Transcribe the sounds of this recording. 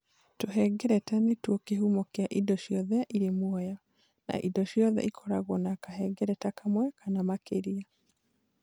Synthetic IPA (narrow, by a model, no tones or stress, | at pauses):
toɦɛɡɛɾɛtanetwɔkeɦumɔkeaʔidɔʃiɔðɛʔiɾemwɔjɔ | na̰ʔidɔʃjɔðɛ̰ʔikʰɔɾaɣwɔnakaɦɛɡɛɾɛtakamwɛkanamakeɾia